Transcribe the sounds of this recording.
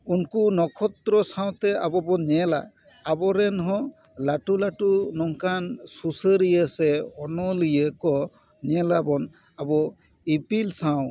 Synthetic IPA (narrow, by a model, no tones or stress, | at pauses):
unkunɔkʰɔt̪ɾɔsaw̃t̪ɛabɔbɔɲɛla̰ː | bɔɾɛnɦɔ̃ | laʈulaʈunɔŋkansusəɾijəsɛɔnɔlijəkɔ | ɲɛlabɔn | abɔ | ipilsaw̃